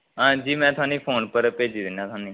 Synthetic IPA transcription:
ɦãːd͡ʒiːmɛ̃ːt̪ʰʊaːniːpʰoːnpəɾpeːd͡ʒiːd̪ɪnːãːt̪ʰaːniː

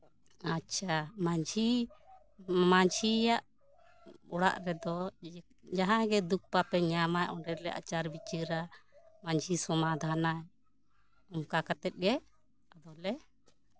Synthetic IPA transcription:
atːʃʰamaɲd͡ʒi | maɲd͡ʒijaʔ | ɔɽa̰ʔɾɛd̪ɔ | d͡ʒaɦãɡɛd̪uk̚papɛɲamajʔɔɳɖɛɾlɛʔa̰t͡ʃaɾbit͡ʃiɾamaɲd͡ʒisɔmad̪ʱanaɛ | ɔmkakat̪ɛt̪̚ˀɡɛ | ad̪ɔlɛ

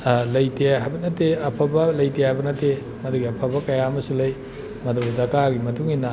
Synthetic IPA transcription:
lɐjteɦajbɐnɐteɐpʰɐbɐlɐjtehajbɐnɐte | mɐduɡiɐpʰɐbɐkɐjaɐmɐsulɐj | mɐdubɐdɐkaɡimɐtuŋinːɐ

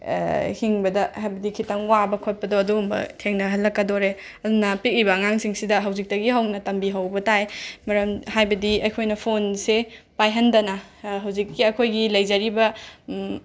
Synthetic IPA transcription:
hiŋbɐdɐhajbɐdikʰitɐŋwabɐkʰot̚pɐdoɐduːmbɐ̰tʰeŋnɐɦɐlːɐkːɐdoɾe | ɐdunɐpik̚ɾibɐːŋaŋsiŋsidɐɦɐwzik̚tɐɡiɦɐwnɐtɐmbiɦɐwbɐtajmɐɾɐmhajbɐdiɐjkʰojnɐpʰonsepajɦɐndɐnɐɦɐwzikːiɐkʰojɡilɐjzɐɾibɐ

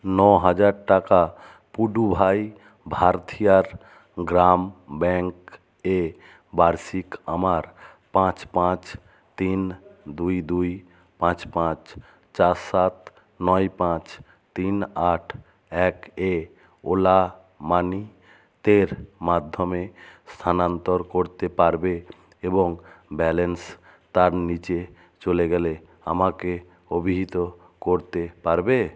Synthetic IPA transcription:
nɔɦəd͡ʒaɾʈaka | puɖubʱaj | bʱaɾt̪ʰijaɾ | ɡɾambɛ̃ŋk | e | baɾsikəmaɾ | pãt͡ʃpãt͡ʃ | t̪ind̪uid̪ui | pãt͡ʃpãt͡ʃ | t͡ʃaɾsat̪ | nɔipãt͡ʃ | t̪inaʈʰ | ɛke | ola | mani | t̪eɾmad̪ʱːomest̪ʰanant̪oɾkoɾt̪epaɾbe | eboŋbɛlens | t̪aɾnit͡ɕe | t͡ɕoleɡɛle | a̰make | obʱiɦit̪o | koɾt̪epaɾbe

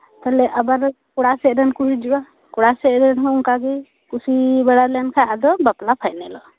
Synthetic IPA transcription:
t̪alɛʔabaɾ | kuɽasɛɾɛnkusid͡ʒuwa | kuɽasɛʔɾɛnɦɔuŋkaɡɛ | kusibɛɽalɛnkʰajʔad̪ɔbaplapʰajʔnɛlɔ

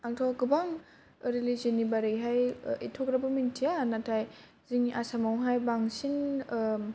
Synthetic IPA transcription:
aŋtʰɔɡɯbaŋ | ɾilizinibaɾiɦajḭtʰokɾabɐmintʰijanatʰaj | ziŋasamawɦajbaŋsin

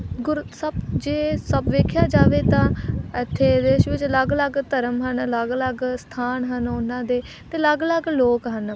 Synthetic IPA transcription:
ɡʊɾsəbd͡ʒeːsəbʋeːkʰjaːd͡ʒaːʋeːt̪ãːɪt̪ʰːeːd̪eːʃʋɪt͡ʃləɡləɡt̪əɾəmɦənləɡləɡst̪ʰaːnɦənʊnãːd̪eː | t̪eːləɡləɡloːkɦən

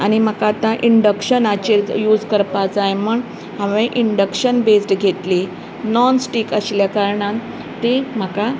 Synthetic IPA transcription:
añim̤əkat̪ãʔiɳɖəkɕənat͡ɕeljud͡zkəɾpat͡saeməɳ | hãʋẽʔiɳɖəkɕənbesʈɡʱet̪le | nɔnsʈikəɕljakaɾɳã | t̪em̤əka

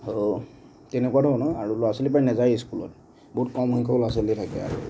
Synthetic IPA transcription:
ho | tɛnɛkwadʱɔɔnɔjaɹuloaselip̬ajnɛzajiskulɔ̰t̚ | boɦut̚kɔmɦunkʰɔlɔaselitʰakɛa̰ɹu

